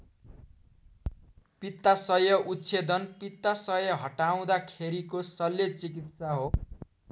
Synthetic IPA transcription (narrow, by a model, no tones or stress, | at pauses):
pit̪ːasʌjʌʔutt͡sʰed̪ʌnpit̪ːasʌjʌɦʌʈaw̃d̪akʰeɾikosʌlːet͡sikit̪saɦo